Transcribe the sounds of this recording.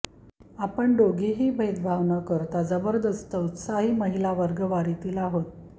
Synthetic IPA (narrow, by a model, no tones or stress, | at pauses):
apəɳɖoɡiɦiːbʱejd̪bʱaʋnəkəɾt̪ad͡zəbəɾd̪əst̪əut̪saɦiːməɦilaʋəɾɡəʋaɾit̪iːlaɦot̪